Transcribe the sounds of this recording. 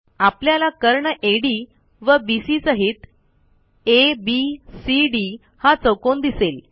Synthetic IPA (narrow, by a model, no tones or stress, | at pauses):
apljalakəɾɳəʔeɽi | ʋəbisisəɦit̪ | ebisiɖi | hat͡səwkond̪isel